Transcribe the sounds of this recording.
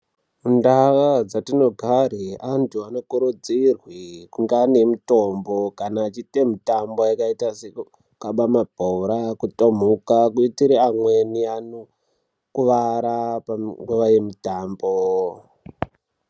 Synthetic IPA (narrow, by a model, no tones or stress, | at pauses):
mundaʋad͡zatino̞ɡʱaɾeantuanokuɾud͡zirwikuŋɡane̞mutombokanaːt͡ʃite̞mitambo̞jakaitase | kaɓamab̥ʱoɾakutom̤ukakuitiɾeamweniano | kuʋaɾapaŋɡuʋaje̞mitaːmbo